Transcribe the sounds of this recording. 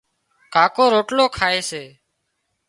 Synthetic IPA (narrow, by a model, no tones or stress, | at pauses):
kaːkoːɾoːʈloːkʰaːeːseː